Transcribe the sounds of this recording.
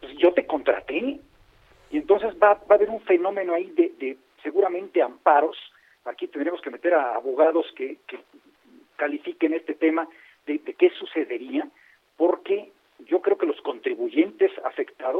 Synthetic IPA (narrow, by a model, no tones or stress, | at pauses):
pwesʝo̞t̪e̞ko̞nt̪ɾa̰t̪e | ient̪o̞nse̞zbabaːβe̞ɾuɱfe̞no̞mẽ̞noaiðeðe | se̞ɣuɾamẽ̞nt̪e̞ampaɾo̞s | akit̪end̪ɾemoske̞me̞t̪e̞ɾaːβo̞ɣaðo̞skeke | kalifikene̞st̪e̞t̪e̞ma | ðeðeke̞suse̞ðe̞ɾia | po̞ɾke̞ | ɟ͡ʝo̞kɾe̞oke̞lo̞sko̞nt̪ɾiβuʝe̞nt̪e̞sa̰fe̞kt̪aðos